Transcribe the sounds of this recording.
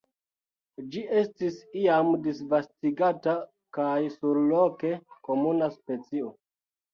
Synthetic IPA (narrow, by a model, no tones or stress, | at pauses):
d͡ʒiʔe̞stisiamdisvastiɡata | kajsuɾloke̞ko̞munaspe̞t͡sio̞